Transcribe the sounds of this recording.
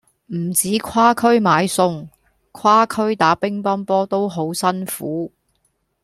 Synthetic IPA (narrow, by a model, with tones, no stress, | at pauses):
m̩˨˩t͡siː˨˥kʰwaː˥kʰɵ˥ɥmaː˨˥jsʊ˧ŋ | kʰwaː˥kʰɵ˥ɥt̪aː˨˥pɪ˥ŋpɐ˥npɔː˥t̪o˥wɦo˨˥wsɐ˥nfuː˨˥